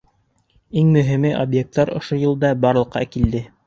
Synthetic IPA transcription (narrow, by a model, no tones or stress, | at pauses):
iŋmɵ̆ɦɘmɘʔobjek̚t̪ːɑɾŏ̰ʃojɤ̆lˠd̪ɑbɑɾlˠɤ̆qʰːɑ̰kild̪ɘ